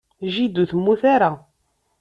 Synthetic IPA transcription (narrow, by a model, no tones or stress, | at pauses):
ʒid̪uθəmːuθaɾa